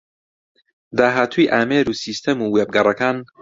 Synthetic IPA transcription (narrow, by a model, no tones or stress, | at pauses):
d̪aːɦaːt̪ʰujʔaːmeːɾuːsiːst̪ʰemuːweːb̚ɡɐrˤɐkaːn